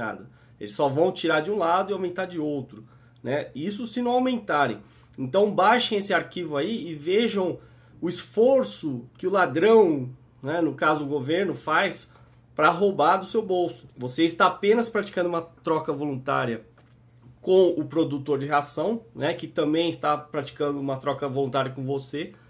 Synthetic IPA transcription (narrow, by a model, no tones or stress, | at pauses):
a̰d̪ɐ | ḛlɪsːɔvɐ̃w̃t͡ʃiɾaɾd͡ʒɪũlad̪ʊiawmẽnt̪aɾd͡ʒɪowt̪ɾʊ | nʔɛis̬ʊsɪ̃nɐ̃w̃awmẽnt̪aɾḛ̃j̃ | ẽnt̪ɐ̃w̃bajʃẽj̃esɪaɾkivʊaiɪveʒɐ̃w̃ | ʊɪsfoɾsʊkɪʊlad̪ɾɐ̃w̃ | nɛnʊkazʊʊɡoveɾnʊfajs | pɾɐɦowbad̪ʊsewbowsʊ̥voseɪst̪aapẽnɐspɾat͡ʃi̥kɐ̃d̪ʊũmɐt̪ɾɔkɐvolũnt̪a̰ɾiɐ | kõʊpɾod̪ut̪oɾd͡ʒɪɦeasɐ̃w̃nɛkɪt̪ɐ̃mbẽj̃ɪst̪apɾat͡ʃi̥kɐ̃nd̪ʊũmɐt̪ɾɔkɐvolũnt̪aɾiɐkõvose